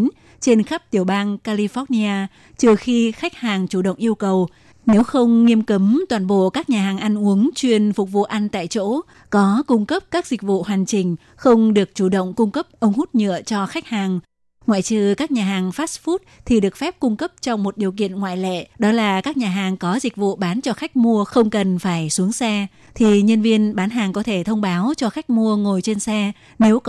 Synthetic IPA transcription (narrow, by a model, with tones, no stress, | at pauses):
n | t͡ɕe˧nxa˦˥p̚t̪i˧˩əwɓaː˧nkaː˧li˧fɔ˨˦˥t̚ni˧aː˧ | t͡ɕɨ˧˩əxi˧xa˦˥jk̟̚haː˨˩ŋt͡ɕu˧˩ɗə̰˧˨wŋ͡mʔi˧əwkə˨˩w | ne˨˦wxə˧wŋ͡mŋi˧əmkə˨˦mt̪waː˨˩nɓo̰˧˨kaː˦˥k̚ɲaː˨˩ɦaː˨˩ŋʔa˧ŋʔu˨˦əŋt͡ɕwi˧ənfʊ˨˩k͡p̚vṵ˧˨ʔa˧nt̪a̰ː˧˨jt͡ɕo̰˧˥ | kɔ˨˦kʊ˧ŋ͡mkə˦˥p̚kaː˦˥k̚zï˨˩k̟̚vṵ˧˨hwa˨˩jŋ̟t͡ɕï˨˩ŋ̟ | xə˧wŋ͡mɗɨ˨˩ək̚t͡ɕu˧˩ɗə̰˧˨wŋ͡mkʊ˧ŋ͡mkə˦˥p̚ʔə˧wŋ͡mhu˦˥t̚ɲɨ̰˧˨ət͡ɕɔ˧xa˦˥k̚haː˨˩ŋ | ŋwa̰ː˧˨jt͡ɕɨ˧˩kaː˦˥k̚ɲaː˨˩ɦaː˨˩ŋfaː˦˥sfu˦˥t̚t̪ʰi˨˩ɗɨ˨˩ək̚fɛ˦˥p̚kʊ˧ŋ͡mkə˦˥p̚t͡ɕɔ˧wŋ͡mmo˨˩t̚ɗi˨˩əwkḭ˧˨ənŋwa̰ː˧˨jlḛ˧˨ɗɔ˨˦laː˨˩kaː˦˥k̚ɲaː˨˩ɦaː˨˩ŋkɔ˨˦zï˨˩k̟̚vṵ˧˨ɓaː˨˦nt͡ɕɔ˧xa˦˥jk̟̚mu˧əxə˧wŋ͡mkə˨˩nfaː˧˩jsu˨˦əŋsɛ˧ | t̪ʰi˨˩ɲə˧nvi˧ənɓaː˨˦nɦaː˨˩ŋkɔ˨˦t̪ʰe˧˩t̪ʰə˧wŋ͡mɓaː˨˦wt͡ɕɔ˧xa˦˥jk̟̚mu˧əŋo˨˩jt͡ɕe˧nsɛ˧ | ne˨˦w